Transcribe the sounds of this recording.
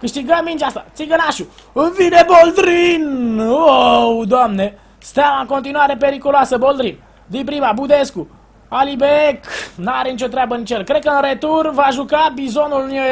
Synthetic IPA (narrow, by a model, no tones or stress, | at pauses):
kɨʃt̪iɡəmːint͡ʃast̪a̰t̪siɡənaʃuɨnvinebold̪ɾinowd̪oamne | st̪eamaɨŋko̞nt̪̬inuaɾe̞pe̞ɾikuloasəbo̞ld̪ɾin | d̪inpɾimabud̪e̞sku | alibeknaɾe̞nit͡ʃʲo̞t̪ɾʲabənit͡ʃjelkɾe̞d̪̚kəɨnɾet̪urvaʒukabizo̞nulne